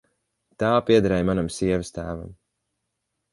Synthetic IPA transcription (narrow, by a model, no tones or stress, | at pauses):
t̪aːpiɛd̪aɾɛjmanamsiɛvəst̪æːva̰m